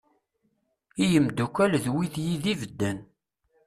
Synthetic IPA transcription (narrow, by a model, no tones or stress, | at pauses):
ijəmd̪ukʷːælðwiðjiðivəd̪ːæn